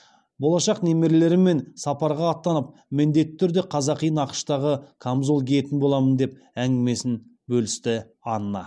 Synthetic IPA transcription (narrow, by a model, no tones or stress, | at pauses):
bo̞lˠɑʃɑqne̞me̞ɾele̞ɾɪmːe̞nsɑpɑɾʁɑːt̪ːɑnəp̚ | mɪnd̪e̞t̪ːɪ̥t̪ʰʏɾd̪e̞qʰɑzɑqijənɑqə̥ʃt̪ɑʁəkʰamzolˠɡʲeje̞t̪ɪnbo̞lˠɑmənd̪e̞p̚ | æŋɡʲɪme̞sɪn | bɵlɪst̪ɪ | ɑnənɑ̰